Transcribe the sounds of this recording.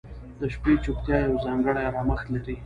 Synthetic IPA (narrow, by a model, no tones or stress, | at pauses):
d̪̥əʃpet͡ʃʊp̚t̪jɑjawzɑŋɡəɽajɾɑməxt̪laɾi